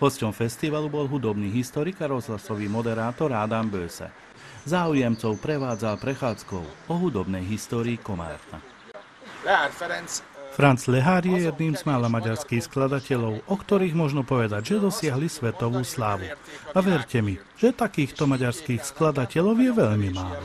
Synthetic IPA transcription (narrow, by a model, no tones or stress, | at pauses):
ɦɔscɔmfɛst̪iʋalubɔlɦud̪ɔbniːɦist̪ɔɾikaɾɔzɦlasɔʋimɔd̪ɛɾaːt̪ɔɾad̪ambøːsɛ̰ | zaːujɛmt͡sɔʊpɾɛʋaːd͡zalpɾɛxaːt͡skɔ̰ʊɔɦud̪ɔbnɛjɦist̪ɔːɾiːkɔma̰ːɾt̪a̰ | fɾant͡slɛɦaːɾjɛjɛd̪niːmzmaːlamaɟaɾskiːxsklad̪acɛʎɔʊʔɔkt̪ɔɾiːɣmʊɔʒnɔpɔʋɛd̪aɟʒɛd̪ɔsɪaɦlisʋɛt̪ɔʋuːslaːʋuaʋɛɾcɛmi | ʒ̥ɛt̪akiːxt̪ɔmaɟaɾskiːxsklad̪acɛʎɔʊjɛʋɛʎmimaːlɔ